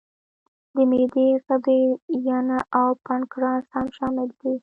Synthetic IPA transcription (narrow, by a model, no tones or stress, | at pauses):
d̪əmed̪eɣəd̪ejanaʔawpankɾɑnshamʃɑmɪld̪i